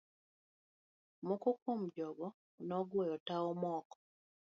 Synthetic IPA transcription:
mokokomd͡ʒɔɡɔ | nɔɡwɛjɔtaɔmɔkɔ̥

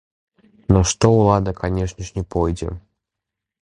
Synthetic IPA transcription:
nɐʂt̪ɔulˠad̪ɐkanʲɛʂnʲɪʂnʲɛpɔjd͡zʲɛ̰

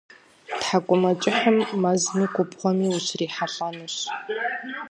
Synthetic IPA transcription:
tħakʷʼʊmɐt͡ʃʼɪħəmːɐzniːkʷʊpχʷɔmiːʊɕriːħaɬʼɐnɨɕ

